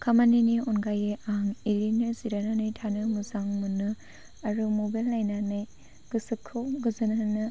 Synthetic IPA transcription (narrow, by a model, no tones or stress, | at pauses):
kʰamaniniɔnɡajeʔaŋeɾinɯziɾananɯjtʰanɯmuzaŋmɯnɯ | aɾumobajlnajnanɯj | ɡ̥ɯsɯkʰːɯwɡɯzɯnanɯ